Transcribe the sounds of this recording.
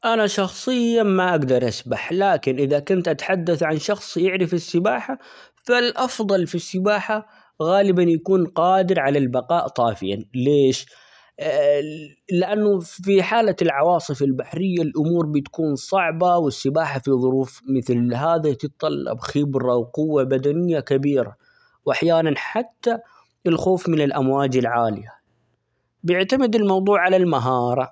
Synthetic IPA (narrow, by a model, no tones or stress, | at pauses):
ʔanaʃɑxsˤɨjːamaʔaɡd̪ɑɾˤʔasbaħlaːkɪnʔɪðakʊnt̪ʔat̪ħad̪ːaθʕanʃɑxsˤjɪʕɾɪfɪsːɪbaːħa | falʔɑfðˤɑlfisːɪbaːħa | ɣaːlɪbanjakuːnqɑːd̪ɪɾʕalalbɑqɑːʔt̪ˤɑːfɪja̰nleːʃ | lɪʔanːʊfiħaːlalʕɑwɑːsˤɨfɪlbaħɾɪjːalʔʊmuːɾbɪt̪ḁkuːnsˤɑʕbawɪsːɪbaːħafiðˤʊɾuːfmɪθlɦaːðat̪ɪt̪t̪ˤːɑlːɑ̰bxɪbɾɑwqʊwːabad̪anɪjːakabiːɾa̰ | wʔaħjaːnanħat̪ːa | ɪlxoːfmɪnɪlʔamwaːd͡ʒɪlʕaːlɪja | bjɪʕt̪amɪd̪ɪlmɑwðˤuːʕalalmaɦɑːɾˤɑ